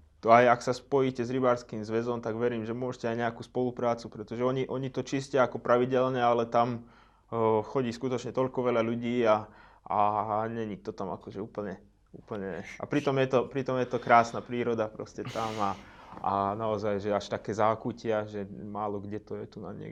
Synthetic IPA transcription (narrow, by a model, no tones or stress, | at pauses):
t̪ɔajaksaspɔjiːcɛzɾibaːɾskiːmzʋɛzɔmt̪aɡʋɛɾiːmʒɛmʊɔʃcɛajɲɛakuːspɔlupɾaːt͡supɾɛt̪ɔʒɛɔɲiʔɔɲit̪ɔt͡ʃiscɛaakɔpɾaʋiɟɛlɲɛalɛt̪am | xɔɟiːskut̪ɔt͡ʃɲɛt̪ɔʎkɔʋɛʎaʎuɟiːa | aɲɛɲit̪ɔt̪ama̰kɔʒɛuːpl̩ɲɛ | ṵːpl̩ɲɛa̰pɾit̪ɔmjɛt̪ɔpɾit̪ɔmjɛt̪ɔkɾaːsnapɾiːɾɔd̪apɾɔ̰scɛt̪amaanaɔzajʒɛaʃt̪akɛːzaːkucɪaʒɛmaːlɔɡɟɛt̪ɔjɛt̪una̰ɲɪɛ̰